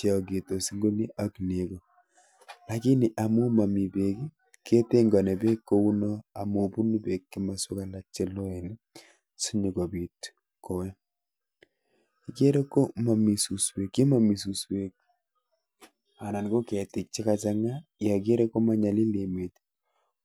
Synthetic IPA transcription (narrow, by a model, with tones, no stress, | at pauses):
t͡ʃe˦ɔ˨k̬e˨to˨si˦ŋɡo˦ni˦ʔa˨kne˨ko˨ | la˨ki˦ni˨ʔa˨mu˦ma˨mi˨be˨ki˦ | kʰe˦te˦ŋɡɔ˨ne˨be˦kːo˦u˦nɔ˦a˨mo˨pu˦ni˦pe˨kːɪ˦ma˨su˦ka˦la˦t͡ʃe˦lɔ˦e˨n˦ | si˦ɲi˨ko˨bi˨t | ko˨wɛ˦ | i˨ke˦ɾe˦ko˦ma˨mi˨su˨swe˨kːi˦ma˦mi˨su˨swe˨k̚ | a˨na˨nɡo˦ke˨tɪ˨k̚t͡ʃɪ˦ka˨t͡ʃaŋa˦ja˨k̬e˦ɾe˦kːo˦ma˦ɲa˨li˦le˨me˨t